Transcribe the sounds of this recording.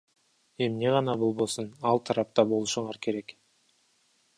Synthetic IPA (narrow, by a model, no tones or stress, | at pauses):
e̞mne̞ʁɑnɑbo̞lˠbo̞sunɑlˠt̪ʰɑɾɑp̚t̪ɑbo̞lˠuʃuɴɑɾkʰe̞ɾe̞k